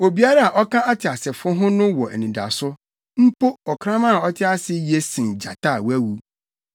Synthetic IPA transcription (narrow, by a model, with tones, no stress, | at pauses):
o˨bi˨a˦ɾa˦a˨ʔɔ˦kã˦a˦tʰɪ˨a˨sɪ˨fʊ˦ɦʊ̃˦nʊ̃˦wɔ˨ʔɛ̰˨nĩ˨da̰˨sʊ˦ | m̩˦po˦ɔ˨kʰɾã˦mã˦a˨ɔ˦tʰɪ˦a˦sɪ˦je˦sĩ˨nd͡ʑa̰˨tʰa˦˨wæ˦wu˦